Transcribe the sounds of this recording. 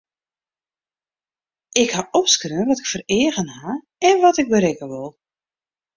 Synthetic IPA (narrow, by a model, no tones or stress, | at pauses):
ɪkhaʔɔpskrøənʋɔtɪkfərɪːəɣənha | ɛnʋɔtɪk̚bəɾɪkəʋʊlˠ